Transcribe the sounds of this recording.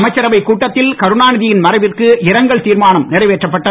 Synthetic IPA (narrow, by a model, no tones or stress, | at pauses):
mɐt͡ʃːɐɾɐʋɐɪkːuːʈːɐt̪ːɪlkɐɾɯnaːnɪðɪjɪnmɐɾɐɪʋɪrkɯɪɾɐŋɡɐɭt̪iːɾmaːnɐmnɪɽɐɪʋeːʈrɐpːɐʈːɐ